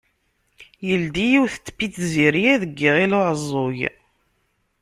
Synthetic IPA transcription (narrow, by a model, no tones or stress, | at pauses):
jəld̪ijiwθə̥t̪ːə̥pːit͡s̪ːziɾijæðəɡːiʁilʊʕəzˤːoj